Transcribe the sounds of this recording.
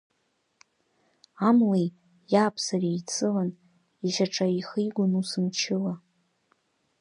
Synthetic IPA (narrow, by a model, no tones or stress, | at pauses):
amlej | jaːpʰsarijt͡sʰɨlan | iʒaʈ͡ʂʰʼaiχijɡʷʊnusɨnt͡ʃʰɪla